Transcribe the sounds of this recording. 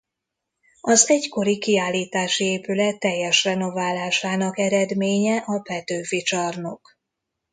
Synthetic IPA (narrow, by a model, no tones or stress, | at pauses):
ɒzɛɟko̞ɾikiaːlːiːt̪aːʃieːpylɛt̪ːɛjːɛʃrɛno̞vaːlaːʃaːnɒkɛɾɛd̪meːɲɛʔɒpɛt̪øːfit͡ʃɒrno̞k